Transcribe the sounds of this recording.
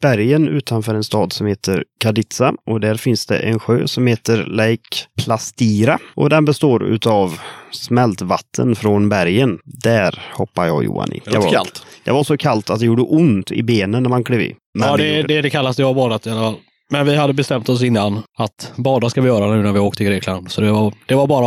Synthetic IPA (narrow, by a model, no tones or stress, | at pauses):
b̥æɾjənʉ̟ːt̪ʰanfœːɾɛnst̪ɑːd̪sɔmheːt̪ʰəɾkʰad̪ɪt̪saʔɔd̪æɾfɪnsd̪ɛ̰ʔɛnɧøːsɔmheːt̪əɾlɛjkpʰlast̪iːɾaʔɔd̪ɛnbɛst̪oːɾʉ̰ːt̪avsmɛlt̪vat̪ʰːə̰nfɾɔnbæɾjənd̪æɾhɔpːaɾjɑ̰ːjʊ̰ːa̰nɪ̰d̪ɛvalt̪d̪ɛvasɔkʰalt̪at̪d̪ɛjuːɖəʔʊnt̪ɪ̰beːnənːæɾmankʰleːvɪ̰ | mɛɛd̪ɛd̪ɛkʰalːast̪ɛvaɾbɑːd̪at̪ɪalːafal | mɛnvɪɦad̪ːəbɛst̪ɛmt̪ɔs̬ɪnːanat̪bɑːd̪askavɪjœːɾanʉ̟ːnæɾvɪoːk̚t̪ʰəɡɾeːkland̪sɔd̪ɛvad̪̥ɛvaɾbɑːɾa